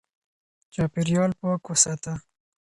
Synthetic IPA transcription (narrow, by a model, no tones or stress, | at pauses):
t͡ʃɑːpiɾjɑːlpɑːkosat̪a